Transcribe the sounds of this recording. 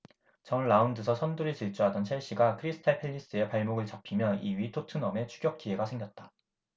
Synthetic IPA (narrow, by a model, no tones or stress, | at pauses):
t͡ɕʌnɭːaundɯsʰʌsʰʌnduɾɯɭt͡ɕiɭt͡ɕ͈uɦadʌnt͡ɕʰeɭɕ͈iɡakʰɯɾisʰɯ̥tʰapʰeʎːis͈ɯe̞paɭmoɡɯɭt͡ɕapʰimjʌiɥitʰotʰɯnʌme̞t͡ɕʰuɡjʌk̚k͈ie̞ɡasʰeŋɡjʌt̚t͈ḁ